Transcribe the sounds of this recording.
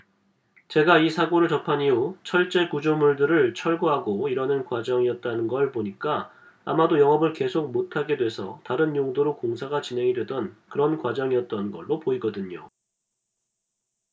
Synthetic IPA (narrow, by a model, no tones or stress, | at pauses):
t͡ɕe̞ɡaisʰaɡoɾɯɭt͡ɕʌpʰaɲiot͡ɕʰʌɭt͡ɕ͈e̞kud͡ʑomuɭdɯɾɯɭt͡ɕʰʌɭɡoɦaɡoiɾʌnɯnkwad͡ʑʌŋiʌt̚t͈anɯnɡʌɭpoɲik͈a | amadojʌŋɦʌbɯɭke̞sʰok̚motʰaɡe̞dwe̞sʰʌ̰taɾɯnjoŋdoɾokoŋsʰaɡat͡ɕinɦe̞ŋidwe̞dʌnkɯɾʌnkwad͡ʑʌŋiʌt̚t͈ʌnɡʌɭːopoiɡʌdɯɲo